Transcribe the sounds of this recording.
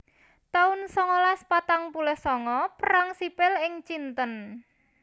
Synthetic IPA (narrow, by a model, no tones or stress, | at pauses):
t̪aʊnsɔŋɔlaspat̪aŋpulɛhsɔŋɔpəɾaŋsipɪlɪŋt͡ʃint̪ən